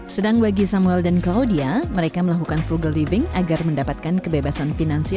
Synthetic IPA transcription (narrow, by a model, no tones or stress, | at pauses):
sədaŋbaɡisamuɛldanklaudiaməɾekaməlakukanfluɡəlivɪŋaɡarməndapat̪̚kankəbebasanfinansia